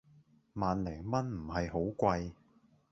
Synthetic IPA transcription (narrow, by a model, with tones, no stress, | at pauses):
maː˨nlɛː˨˩ŋmɐ˥nm̩˨˩hɐ˨jho˨˥wkʷɐ˧j